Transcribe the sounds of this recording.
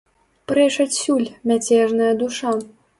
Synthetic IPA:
pɾɛʂɐt͡sʲsʲulʲmʲat͡sʲɛʐnɐjɐd̪uʂa

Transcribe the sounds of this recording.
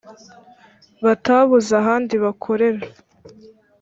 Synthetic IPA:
βataːβuzaɦaːndiβakʰo̞ɾe̞ɾa

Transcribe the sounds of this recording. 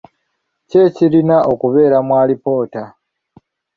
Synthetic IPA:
ce̞cilinaʔokuβe̞ːɾamwaːlipo̞ːta

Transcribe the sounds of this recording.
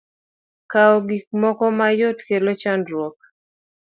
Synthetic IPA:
kaɔɡik̚mɔkɔmajotkelot͡ʃandɾwɔk̚

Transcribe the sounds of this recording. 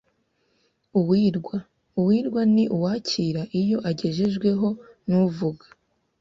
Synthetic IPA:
uwiɾɡwa | uwiːɾɡwaniʔuwaːcʰiɾaʔijo̞ʔaɟe̞ʒeʒɡwe̞ɦo̞ | nuvuɡḁ

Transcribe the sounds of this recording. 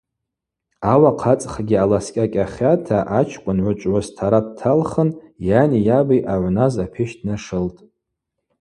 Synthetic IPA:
awaqʰat͡sʼχaɡʲialaskʲʼakʲʼaχʲatʰaʔat͡ʃʰkʷʼʊnʕʷʊt͡ʃʷʼwaztʰaɾad̚tʰalχənjanijabajʔaʕʷnazapʰɪʃtnaʂɨltʼ

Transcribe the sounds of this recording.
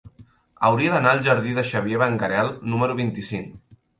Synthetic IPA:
ə̰wɾiəðənaəlˠʒəɾð̞iðəʃəβjeβəŋɡəɾealˠnuməɾuβint̪isiŋ

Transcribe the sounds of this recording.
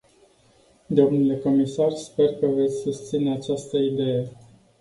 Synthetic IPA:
d̪o̞mnule̞ko̞misarspe̞rkəve̞t̪sʲsust̪sineat͡ʃast̪əid̪e̞je̞

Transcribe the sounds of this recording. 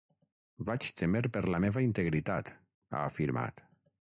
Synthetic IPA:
bat͡ʃt̪ʰemeɾpeɾlameβaint̪eɣɾit̪a̰t̪ | a̰ːfiɾma̰t̪

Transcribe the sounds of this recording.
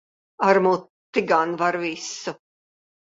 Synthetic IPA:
aɾmut̪ːiɡanvaɾvisu

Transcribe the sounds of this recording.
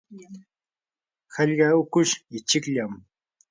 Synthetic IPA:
hɑʎɢɑʊkʊʃɪt͡ʃɪkʎam

